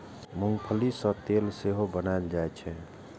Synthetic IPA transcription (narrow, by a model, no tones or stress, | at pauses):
muŋɡpʰəlisət̪elseɦobənaeld͡ʒaɛt͡ʃʰɛ